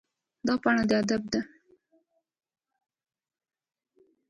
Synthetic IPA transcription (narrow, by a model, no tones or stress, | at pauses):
d̪ɑpɑɳad̪əad̪ab̚d̪a